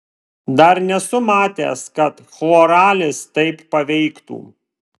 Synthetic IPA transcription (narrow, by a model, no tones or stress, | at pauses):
d̪ɐɾnʲɛsʊmɑːt̪ʲḛːskɐt̪xɔːɾɑːlʲɪst̪ɐɪpːɐʋʲɛɪkt̪ṵː